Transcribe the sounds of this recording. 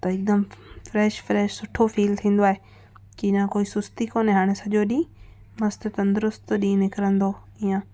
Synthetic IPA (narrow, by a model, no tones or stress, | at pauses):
t̪ɐɪk̚d̪əmfɾɛːʃfɾɛːʃsʊʈʰofiːlt̪ʰĩːn̆d̪oaːɦe | kiɪɲãkoːisʊst̪ikoːneɦaːɽ̃esɐʄoɗĩ | mɐst̪t̪ɐ̃nd̪əɾʊst̪ɗĩnɪkɪɾə̃nd̪o | ɪjãː